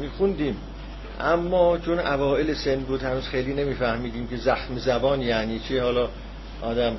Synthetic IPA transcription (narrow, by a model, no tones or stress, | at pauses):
miːxund̪iːm | ʔæmːɒːt͡ʃʰonævɒːʔelesend̪buːd̪hænuːz̥xejliːne̞miːfæhmiːd̪iːmce̞zæxmezæbɒːnjæːniːt͡ʃʰihɒːlɒː | ʔɒːd̪æm